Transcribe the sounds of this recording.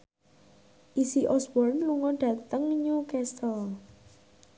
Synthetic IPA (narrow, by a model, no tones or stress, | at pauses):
ʔisiʔɔsbɔrnluŋɔɖ̥ä̤t̪əŋɲukɛst̪əl